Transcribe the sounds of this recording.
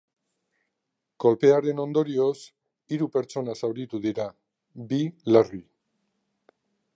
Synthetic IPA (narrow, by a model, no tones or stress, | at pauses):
ko̞lpe̞aɾe̞no̞nd̪o̞ɾio̞s | iɾupe̞ɾt͡so̞nasawɾit̪uðiɾa | bilari